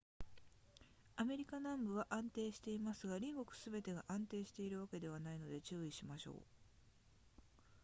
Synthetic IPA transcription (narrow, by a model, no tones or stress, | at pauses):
ame̞ɾʲikanãmbɯ̟βaʔãnt̪e̞ːɕi̥t̪e̞imasɨɡaɾʲiɡo̞kɯ̟̥sɨbe̞t̪e̞ɡaʔãnt̪e̞ːɕi̥t̪e̞iɾɯ̟β̞ake̞d̪e̞β̞anaino̞d̪e̞t͡ɕɨːiɕimaɕo̞̰ː